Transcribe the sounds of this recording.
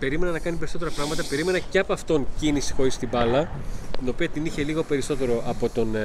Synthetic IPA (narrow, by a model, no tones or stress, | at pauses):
pe̞ɾime̞nɐnɐkɐnipe̞ɾiso̞t̪e̞ɾɐpɾɐɣmɐt̪ɐpe̞ɾime̞nɐceɐpɐft̪o̞ncinisi̥xo̞ɾist̪ibɐlɐt̪ino̞piɐt̪iniçe̞liɣo̞pe̞ɾiso̞t̪e̞ɾo̞ʔɐpo̞t̪o̞n